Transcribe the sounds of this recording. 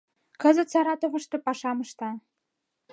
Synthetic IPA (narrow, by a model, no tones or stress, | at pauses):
kə̆zə̆t̪sɑɾɑt̪ovə̆ʃt̪ɤ̆pɑʃɑməʃt̪ɑ